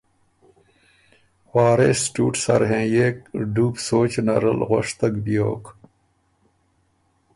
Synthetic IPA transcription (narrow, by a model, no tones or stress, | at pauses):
waːɾeːsʈuːʈsɐ̰ɾɦẽːjekɖuːpsoːt͡ɕnɐɾɐ̰lɣoʂt̪ɐɡbijo̰ːk